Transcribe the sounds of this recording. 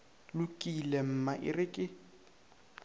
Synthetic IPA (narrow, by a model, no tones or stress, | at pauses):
lʊkʼilɛm̩maʔɪ̰rɪkʼɪ